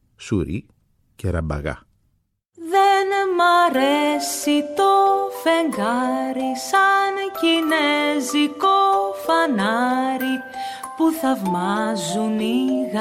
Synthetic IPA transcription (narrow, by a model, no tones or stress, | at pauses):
suɾḭ | ceɾɐ̰bɐ̰ɣɐ̰ | ðenmɐɾesit̪o̞feŋɡɐɾisɐncinezikofɐnɐɾi | puθɐvmɐzuniɣ